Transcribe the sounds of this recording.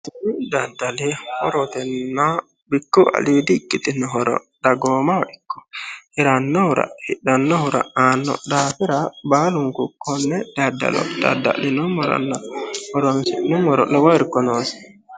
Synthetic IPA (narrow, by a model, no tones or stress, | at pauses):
t̪ɪnid̪ɐd̪ɐlɛhɔɾɔt̪ɛnːa | bɪkːʊɐ̰liːd̪ɪːkʼːɪt̪ɪnɔɦɔɾɔ̰ | d̪ɐɡoːmaɔɗɪkːɔ̥hɪɾɐnːɔhʊɾɐ̰hɪɗɐnːɔhʊɾa̰aːnːɔ̰d̪aːfɪɾɐbaːlʊŋkukːɔnːɛd̪̥ɐd̪ːɐ̰lɔ̰d̪ɐ̰d̪ːa̰lɪnɔmɔɾɔ̰nːahɔɾɔnsɛnːɔmɔɾɔ̰ʔɛwɔɾkːɔnoːsɛ̥